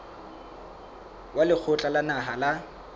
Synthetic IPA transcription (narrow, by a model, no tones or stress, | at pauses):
walɪk͡xʰʊt͡ɬʼalanaɦala